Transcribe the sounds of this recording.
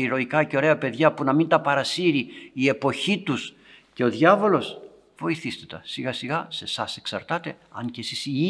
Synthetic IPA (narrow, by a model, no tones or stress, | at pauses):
iɾo̞ikɐce̞o̞ɾe̞ɐpe̞ðʝɐpunɐmint̪ɐpɐɾɐsiɾiie̞po̞çit̪us | ce̞o̞ðʝɐvo̞lo̞s | v̥o̞iθist̪et̪ɐ̰siɣɐsiɣɐse̞sɐse̞ksɐ̰ɾt̪ɐt̪e̞ | ɐɲce̞sisi